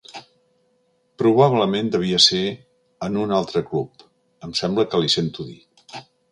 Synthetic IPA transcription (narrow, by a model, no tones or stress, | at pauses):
pɾuβaβləmend̪əβ̞iəse | ənunalˠt̪ɾəklup | əmsɛmbləkəlisent̪uðḭ